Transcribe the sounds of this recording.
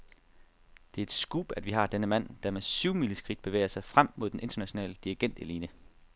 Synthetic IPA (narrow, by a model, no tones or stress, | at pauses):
d̥e̝ɐe̝d̥sɡ̥uːb̥æd̥ʋiɦɑ̈d̥enəmæn̰d̥ɑ̈mesyʊmiləsɡ̥ʁid̥̚b̥e̝ʋḛːɪɐsɑ̈ɪfʁam̰mo̝ð̞̰ˠdenʔe̝nd̥ɐnæɕo̝nɛ̰ːləd̥iʁiɡ̥en̰d̥iliːnə